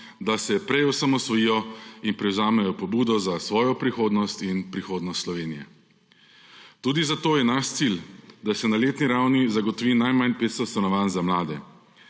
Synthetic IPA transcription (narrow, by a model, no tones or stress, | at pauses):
d̪asɛpɾɛjɔsamɔsʋɔjiːjɔinpɾɛwzaːmɛjɔpɔbuːd̪ɔzasʋɔːjɔpɾixoːd̪nɔst̪inpɾixoːd̪nɔst̪slɔʋeːnijɛ̰ | t̪uːd̪izat̪oːjɛnaʃt̪sild̪asɛnaleːt̪niɾawnizaɡɔt̪ɔʋiːnajmanpeːt̪st̪ɔt̪st̪anɔʋaːnzamlaːd̪ɛ